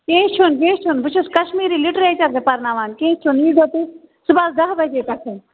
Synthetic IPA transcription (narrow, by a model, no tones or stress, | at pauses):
kẽːt͡ʃʰunkẽːt͡ʃʰunbʊt͡ʃʰuskɐʃmiːɾiːlɪʈɾeːt͡ʃɐɾsepɐɾnaːʋaːnkẽːt͡ʃʰuniːɡoːt̪i | sʊbaːld̪ɐɦbɐd͡ʒeːkɐkʰun